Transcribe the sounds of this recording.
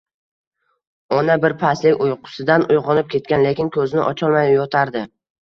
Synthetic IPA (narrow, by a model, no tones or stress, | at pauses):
ɒnabɪɾpʰaslɪkʲʊjqʰʊ̥sɪd̪anʊjʁɒnɪp̚kʲʰe̞t̪̚kʲanle̞kʲɪnkʰɵzɪnɪʔɒt͡ʃʰɒlˠmajjɒt̪ʰaɾd̪ɪ